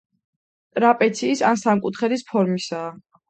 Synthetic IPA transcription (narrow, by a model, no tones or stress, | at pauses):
t̪ʼɾapʼɛt̪sʰiːsansamkʼut̪ʰχɛɾispʰɔɾmisaː